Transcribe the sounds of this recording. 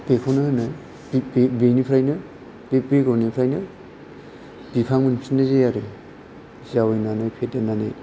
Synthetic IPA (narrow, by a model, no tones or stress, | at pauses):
bekʰɔnɯhɯnɯ | bbenipʰɾajnɯ | bepɾeɡɔwnipʰɾajnɯ | bipʰaŋmɯnsinɯzejaɾɯ | zawɯjnanɯjpʰetananɯ̰